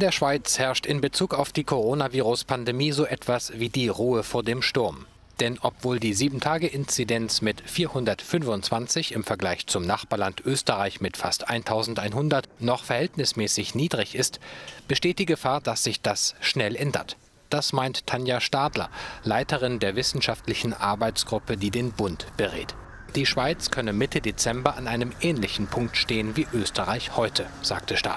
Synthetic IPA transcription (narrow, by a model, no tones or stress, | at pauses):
ɪndeːɐʃv̥aɪt͡shɛɐʃtɪnbət͡suːkaʊfd̥iːkʰoʁoːnaviːʁʊspʰandemiːzoːʔɛtv̥asviːdiːʁuːəfoːɐdeːmʃtʊɐm | d̥ɛnʔɔpv̥oːldiːziːbm̩tʰaːɡəʔɪnt͡sidɛnt͡smɪtfiːɐhʊndɐtfʏnvʊntt͡sv̥ant͡sɪçɪmfɛɐɡlaɪçt͡sʊmnaχb̥aɐlantʔøːstəʁaɪçmɪtfastʔaɪntʰaʊzn̩taɪnɦʊndɐtnɔχfɛɐhɛltnɪsmɛːsɪçniːdʁɪçɪstb̥əʃteːt̚d̥iːɡəfaːɐd̥asz̥ɪçd̥asʃnɛlʔɛndɐ̰t | d̥asmaɪnttʰːanjaʃtaːdlɐ̰laɪtəʁɪndeːɐvɪsn̩ʃaftlɪçn̩ʔaɐbaɪt͡sɡ̥ʁʊpədiːdeːnbʊntb̥əʁḛːt | d̥iːʃv̥aɪt͡skʰœnəmɪtʰədet͡sɛmbɐʔanʔaɪnəmʔɛːnlɪçn̩pʰʊŋk̚tʃteːənviːʔøːstʰəʁaɪçhɔʏtʰəz̥aːk̚tʰəʃta̰ː